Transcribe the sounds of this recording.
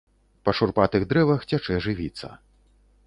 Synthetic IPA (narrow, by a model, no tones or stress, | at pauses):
pɐʂurpat̪ɨɣd̪ɾɛvɐxt͡sʲat͡ʂɛʐɨvʲit̪sːɐ̰